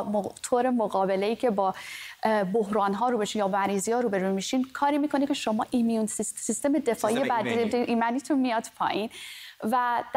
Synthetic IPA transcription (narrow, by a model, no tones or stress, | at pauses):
mot̪ʰoːɾe̞moɣɒːbe̞le̞iːcʰe̞bɒː | boɦɾɒːnɦɒːɾuːbeʃinjɒːmæɾiːzijɒːɾuːbe̞ɾumiʃinkʰɒːɾiːmiːkʰo̞nicʰe̞ʃo̞mɒːʔimijunsisist̪e̞me̞d̪e̞fɒːʔijebæd̪iʔimænit̪ʰunmijɒd̪̥pʰɒ̰ːʔinvæd̪̥